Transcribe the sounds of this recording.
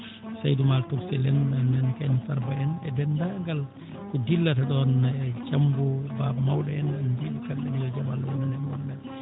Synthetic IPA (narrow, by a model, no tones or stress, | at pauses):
sajdumaltuksɛlɛnanːanikajnifaɾbaɛnɛdɛndaŋɡal | kɔdilːataɗɔnɛd͡ʒambɔbabmawɗɛɛnanbiɗikamɗɛnilɔd͡ʒamalːawɔnanɛmɔmːɛl